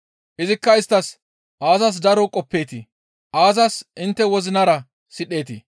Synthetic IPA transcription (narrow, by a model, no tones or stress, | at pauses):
ʔɪzɪkːɐɪst̪ːɐs | ʔaːzɐs̬d̪ɐɾɔkʼɔpːe̞ːt̪ɪ | ʔaːzɐsɪnt̪ːɛwɔzɪnɐɾɐ | sɪɗe̞ːt̪ɪ